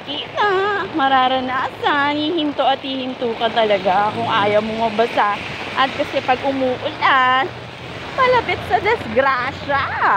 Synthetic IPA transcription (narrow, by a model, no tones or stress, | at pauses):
kiːt̪amɐɾaːɾɐnaːsɐnhiːhɪnt̪oʔɐt̪̚hiːhɪnt̪uːkɐnt̪ɐlɐɡakʊŋʔaːjɐmoŋɐbɐsa | ʔɐt̪̚kɐsɛpɐɡ̚ʔʊmuːʔʊlan | mɐlɐpɪt̪̚sɐd̪ɛsɡɾaːʃa